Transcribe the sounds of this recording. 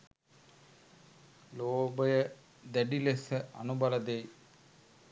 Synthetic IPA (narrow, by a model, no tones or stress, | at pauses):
loːbɐjɐ | d̪eɖilesɐʔɐnubɐlɐd̪ej